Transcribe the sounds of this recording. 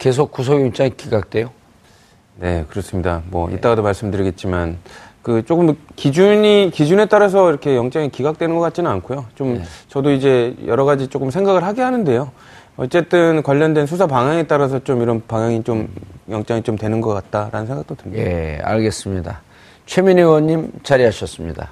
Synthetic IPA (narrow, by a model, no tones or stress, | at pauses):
ke̞s̬ʰok̚k͈us̬ʰoɡiut͡ɕ͈aŋikiɡak̚t͈we̞jo | ne̞kɯɾʌs͈ɯmɲida̰mwʌ̰ʔḭt͈aɾadomaɭs͈ɯmdɯɾiɡe̞t̚t͡ɕ͈imankɯt͡ɕ͈ok͈ɯmkid͡ʑuɲikid͡ʑune̞t͈aɾas̬ʰʌiɾʌkʰe̞jʌŋt͡ɕ͈aŋikiɡak̚t͈we̞nɯnɡʌkat̚t͡ɕinɯnankʰojot͡ɕomt͡ɕʌdoid͡ʑe̞jʌ̰ɾʌɡad͡ʑit͡ɕ͈ok͈ɯmsʰe̞ŋɡaɡɯɭhaɡeɦanɯnde̞jo | ʌ̰tt͡ɕ͈e̞t͈ɯnkwaʎːʌndwe̞nsʰusʰapaŋjaŋe̞t͈aɾas̬ʰʌt͡ɕomiɾʌnpaŋjaŋit͡ɕomjʌŋt͡ɕ͈aŋit͡ɕomtwe̞nɯnɡʌk͈at̚t͈aɾa̰nɯnsʰeŋɡak̚t͈otɯɭɲiḛa̰ɭɡe̞s͈ɯmɲida̰ | t͡ɕʰeminiwʌɲːimt͡ɕaɾiɦaɕʰʌs͈ɯmɲida̰